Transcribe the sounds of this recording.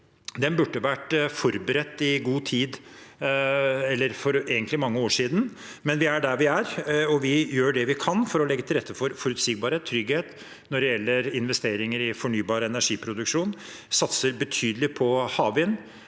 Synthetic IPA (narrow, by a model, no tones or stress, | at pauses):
d̪ɛnbʉʈːəʋæʈfɔɾbəɾɛt̪ːɪɡuːt̪ʰiːd̪ | ɛlːəɾfɔɾeːɡənt̪lɪmɑŋːəoːʂiːd̪n̩ | mɛnʋɪæɖæɾʋɪæɾɔʋɪjøːɖɛʋɪkʰɑnfɔɾɔlɛɡːət̪ʰɪlɾɛt̪ːəfɔɾfɔɾʉt̪sɪɡ̚bɑːɾheːt̪ʰːɾʏɡheːt̪ | nɔɖɛjɛlːəɾɪnʋɛst̪eːɾɪŋəɾɪfɔɳyːbɑːɾəɛnæʂiːpʰɾʊd̪ʉkʂuːn | sɑt̪səɾbət̪ʰyːd̪əlɪpʰɔhɑːʋɪn